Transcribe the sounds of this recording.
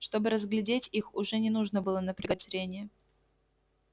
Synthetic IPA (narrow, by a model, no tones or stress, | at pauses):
ʂt̪o̞bɨɾəzɡlʲɪdʲetʲixʊʐɛnʲɪnuʐnəbɨlˠənəpɾʲɪɡətʲɾʲenʲɪjə